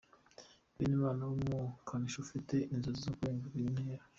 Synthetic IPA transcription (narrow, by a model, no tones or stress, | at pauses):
βḭniβaːnawumukʰaniʃoufite̞ʔinzozizokueːŋɡiɾnea